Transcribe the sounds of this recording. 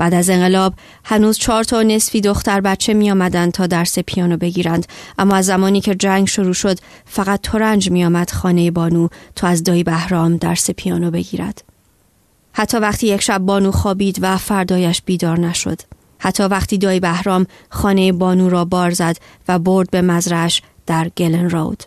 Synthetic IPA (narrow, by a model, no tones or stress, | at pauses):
b̥æːd̪æze̞ŋɢe̞lɒːb | hænuːzt͡ʃʰɒːɾt̪ʰɒːne̞sfiːd̪o̞xt̪æɾbæt̪̚t͡ʃʰe̞mijɒːmæd̪ænd̪̥̚t̪ʰɒːd̪æɾse̞pʰijɒːnoːbe̞ɟiːɾænd̪̥ʔæmːɒːæzːæmɒːniːcʰe̞d͡ʒæŋɡʃoɾuːʃo̞d̪ | fæɣæt̪ːʰoɾænd͡ʒmijɒːmæd̪̥χɒːne̞jebɒːnuːt̪ʰɒːæzd̪ɒːjibæhɾɒːmd̪æɾsepʰijɒːnobe̞ɡiːɾæ̰d̪̥ | hæt̪ʰːɒːvæχt̪ʰiːjecʰʃæb̚ːɒːnuːxɒːbiːd̪væfæɾd̪ɒːjæʃb̥iːd̪ɒːɾnæʃo̞̰d̪̥ | hæt̪ʰːɒːvæχt̪ʰiːd̪ɒːibæhɾɒːm | χɒːne̞jebɒːnuːɾɒːbɒːɾzæd̪væbo̞ɾd̪̚be̞mæzɾæʃ | d̪̥æɾɡ̥elenro̰wd̪̥